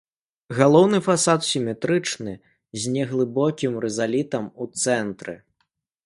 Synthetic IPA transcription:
ɣalˠɔwnɨfasat̪sʲimʲɛt̪ɾɨt͡ʂnɨ | zʲnʲɛɣlˠɨbɔkʲimrɛzalʲit̪ɐmut̪sɛnt̪ɾɨ̰

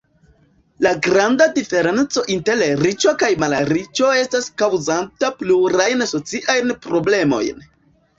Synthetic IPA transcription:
laɡɾandadife̞ɾe̞nt͡so̞ʔinte̞lɾit͡ʃokajmalaɾit͡ʃo̞e̞staskawzantapluɾajnaso̞t͡siʔajnpɾo̞ble̞mo̞̰jn

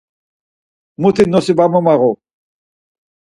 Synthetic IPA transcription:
mut̪ʰinːɔsibamɔmaɣɔ

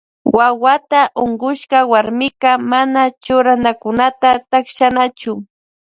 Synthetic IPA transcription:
wawat̪aʔoɴɢʊʃkɑwaɾmɪkɑmanat͡ʃʊɾanakʊnat̪at̪akʃanat͡ʃʊ

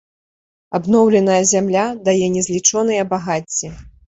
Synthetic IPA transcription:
abnɔwlʲɛnɐjɐzʲamlʲad̪ajɛnʲɛzʲlʲit͡ʂɔnɨjɐbaɣat͡sʲːɛ

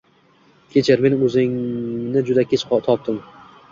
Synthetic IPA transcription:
kʲʰet͡ʃʰɪɾmenɵzɪŋnɪd͡ʒʊd̪akʰʲet͡ʃʰt̪ʰɒp̚t̪ɪm

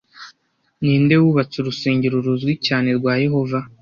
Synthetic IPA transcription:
niːnde̞wuβat͡suɾuseːɲɟeɾuɾuzɡwicaːne̞ɾɡwaːje̞ɦo̞va

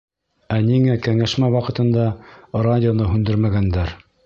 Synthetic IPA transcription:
æniŋækæŋæʃmæwɑqɤ̆t̪ɤ̆nd̪ɑradʲɪonɤɦʉnd̪ɘɾmæɡænd̪æɾ

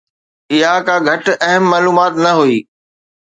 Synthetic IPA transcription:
ɪɦãkãːɡʱɐʈɐɦəmːaːluːmaːt̪nɐɦoiː

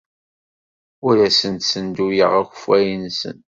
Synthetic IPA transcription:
ʊɾæsənt̪sənd̪ujəʁæçə̥fæjənsə̰n

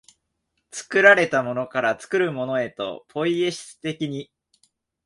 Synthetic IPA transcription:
t͡sɨ̥kɯ̟ɾaɾe̞t̪amo̞no̞kaɾat͡sɨ̥kɯ̟ɾɯ̟mo̞no̞e̞t̪o̞̰pʰo̞ie̞ɕi̥t͡sɨ̥t̪e̞kʲiɲ̟i

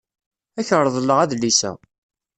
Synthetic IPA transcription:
æçəɾˤðˤəlːəʁæðlisæ̰

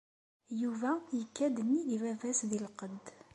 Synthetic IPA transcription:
juvæjəkːæd̪ənːiðivævæsðilqəd̪

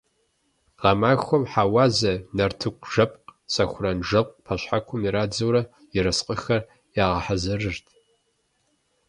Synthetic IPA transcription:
ʁɐmaːxʷɐmħawaːzɐnɐrtʰɨkʷʰʼʒ̥ɐpʼqʼsɐxʷʊrɐnʐɐqʷʼpʰɐɕħakʷʰʊmiɾaːd͡zɐwɾɐ | ɪɾɐsqʼəxɐr | jaːʁɐħazɐrɨrtʰ

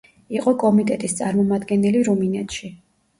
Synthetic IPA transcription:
iqʼɔkʼɔmit̪ʼɛt̪ʼist̪sʼaɾmɔmad̪ɡɛnɛliɾuminɛt̪ʃi

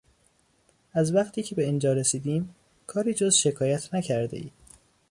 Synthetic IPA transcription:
æzvæqt̪ʰiːcʰe̞be̞ind͡ʒɒːɾesiːd̪iːm | kʰɒːɾiːd͡ʒozʃe̞kʰɒːjæt̪ʰnæcʰæɾd̪e̞̰ḭːd̪̥

